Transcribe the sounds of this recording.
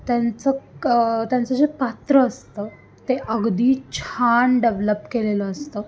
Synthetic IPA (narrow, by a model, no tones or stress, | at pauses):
t̪jant͡sə | t̪jãnt͡səd͡ʑepat̪ɾəəst̪ə | t̪eʔəɡd̪iːt͡ɕʰaɳɖeʋləpkeleləəst̪ə